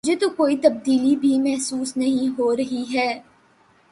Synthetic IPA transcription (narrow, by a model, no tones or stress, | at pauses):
d͡ʒet̪okoːit̪ɐb̚d̪iːlibʱimɛɦsuːsnɐɦĩɦoːɾɐɦiɦɛː